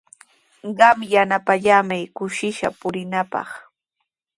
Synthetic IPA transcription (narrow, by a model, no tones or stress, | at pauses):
ɢɑmjanapaʎamajkʊʃɪʃa̰pʊɾɪnapɑ̰χ